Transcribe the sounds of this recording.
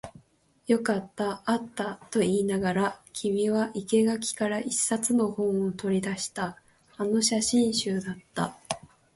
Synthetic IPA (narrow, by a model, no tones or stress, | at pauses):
jo̞kat̪ːaat̪ːat̪o̞iːnaɡaɾakʲʰimʲiβaʔike̞ɡakʲi̥kaɾaʔisːat͡sɨno̞hõ̞ɰ̃ot̪o̞ɾʲid̪aɕi̥t̪aː | no̞ɕaɕĩɰ̃ɕɨːd̪at̪ːa̰